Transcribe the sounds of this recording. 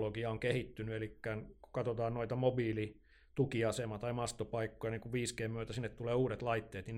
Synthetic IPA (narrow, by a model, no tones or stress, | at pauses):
loɡiɑoŋkehit̪ːynyelikːæːnku̥kɑt̪ot̪ɑːnnoit̪ɑmobiːli | t̪ukiɑsemɑt̪ɑimɑst̪opɑikːojɑniːŋkuʋʋiːskeːmmyøt̪æsinːet̪t̪uleːuːɾet̪lɑit̪ːeːt̪ni